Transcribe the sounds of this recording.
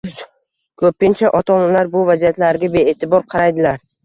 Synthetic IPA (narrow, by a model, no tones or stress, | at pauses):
kʰɵpːɪnt͡ʃʰaʔɒt̪ʰɒnalaɾbʊvazijat̪laɾɡʲabe̞eːt̪ʰɪbɒɾqʰɑɾajd̪ɪlaɾ